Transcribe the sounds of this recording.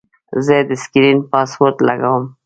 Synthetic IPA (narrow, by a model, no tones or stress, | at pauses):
zed̪əskɾinpɑspoɾt̪la̰ɡawəm